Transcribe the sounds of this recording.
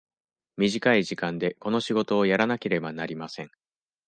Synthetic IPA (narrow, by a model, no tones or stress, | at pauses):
mʲiʑikaiʑikãnd̪e̞ko̞no̞ɕiɡo̞t̪o̞ːjaɾanake̞ɾe̞banaɾʲimasẽ̞ŋ